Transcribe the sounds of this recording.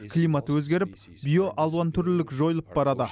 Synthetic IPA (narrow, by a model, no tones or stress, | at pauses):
kʰlˠijmɑt̪əwɵz̪ɡʲe̞ɾɪp | bʲijo̞ʔɑlˠuɑnt̪ʰʏɾlɪlɪkʒo̞jəlˠəp̚bɑɾɑd̪ə